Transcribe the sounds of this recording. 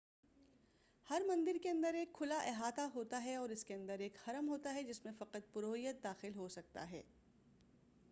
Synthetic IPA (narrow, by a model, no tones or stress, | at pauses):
hɐɾmɐ̃nd̪ɪɾkeɐ̃nd̪əɾeːkʰːʊlaʔeːɦaːt̪aɦoːt̪aɦɛɔːɾɪskeɐ̃nd̪əɾeːkxɐɾəmɦoːt̪aɦɛd͡ʒɪsmẽfɐqət̪̚pʊɾoːɦijət̪̚d̪aːxɪlɦosɐk̚t̪a̰ɦɛ̰ː